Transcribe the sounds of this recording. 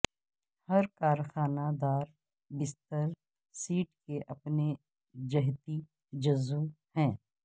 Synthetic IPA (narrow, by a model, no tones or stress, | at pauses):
hɐɾkaːɾxaːnad̪aːɾ | bɪst̪əɾ | siːʈkeʔɐpne | d͡ʒɐɦt̪i | d͡ʒɐzu | hɛ̃ː